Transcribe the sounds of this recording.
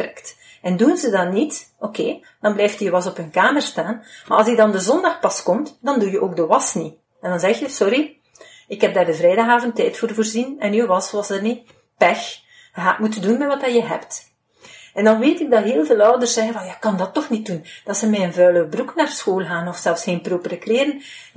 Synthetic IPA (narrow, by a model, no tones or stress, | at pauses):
rɛkt | ɛndunzədɑtnitʔokeː | d̥ɑnblɛːjftijəwɑsɔpɦɵnkaːmərstaːnma̰ɑlˠsidɑndəzɔndɑxpɑskɔmtdɑndujəʔoːɡ̚dəwɑsni | ɛndɑnzɛxjəsɔɾi | ɪkɦɛb̚daːrdəvɾɛjdɑɣaːvəntɛjtfoːrvoːrzinɛnywɑsʋɑsərni | pɛx | ɦaːtmutədunmɛʋɑtaːjəɦɛpt | ɛndɑnʋeːtɪɡ̚dɑtɦeːlˠveːlˠœwdərsɛɣənvɑlˠjaːɪkːɑndɑtːɔxnit̚und̥ɑtsəmɛːənvœːləbruknaːrsxoːlˠɣaːnɔfsɛlˠfsxeːnproːpərəkleːɾən